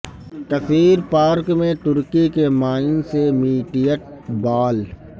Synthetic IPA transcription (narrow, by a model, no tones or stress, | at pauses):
k̪ɐfiːɾpaːɾkmẽt̪ʊɾkikemaːɪnsemiːʈijəʈ̚baːl